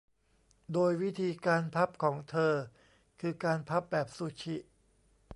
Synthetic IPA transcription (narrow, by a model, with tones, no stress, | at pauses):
doː˧jwi˦˥t̪ʰiː˧kaː˧npʰa˦˥p̚kʰɔː˩˦ŋt̪ʰɤː˧ | kʰɯː˧kaː˧npʰa˦˥p̚bɛː˨˩p̚su˨˩t͡ɕʰi˦˩ʔ